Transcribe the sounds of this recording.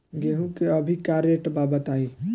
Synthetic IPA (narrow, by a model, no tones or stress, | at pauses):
ɡeɦũkeəbʱikaɾeʈbabət̪ai